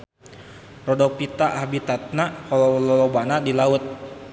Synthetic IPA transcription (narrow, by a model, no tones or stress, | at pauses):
rɔdɔpit̪aʔahbit̪at̪̚nakɔlɔlɔlɔbanadilaʊt̪̚